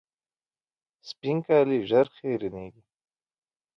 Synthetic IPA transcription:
spiŋkaːliʒɐɾχeːɾineːɡi

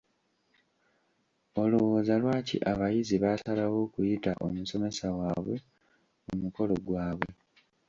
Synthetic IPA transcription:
o̞luwoːzalwaːcḭʔaβajiziβasalawo̞ːkujitaʔo̰muso̞me̞sawaːβwe̞ | mumuko̞lo̞ɡwaːβwe̞

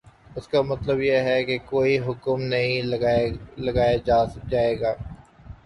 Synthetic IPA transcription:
ʊskamɐt̪ləbjeɦɛkekoːiɦʊkmnɐɦĩ | lɐɡaːjad͡ʒaːeːɡaː

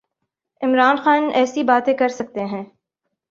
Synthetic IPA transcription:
ɪmɾaːnxaːnɛːsibaːt̪ẽkɐɾsɐk̚t̪eɦɛ̃ː

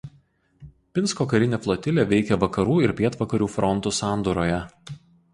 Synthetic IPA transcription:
pʲɪnskoːkɐɾʲɪnʲeːflˠot̪ʲɪlʲeːʋʲɛɪkʲɛʋɐkɐɾuːɪɾpʲiɛt̪ʋɐkɐɾʲuːfɾɔnt̪usɑˑnd̪uːɾoːjɛ

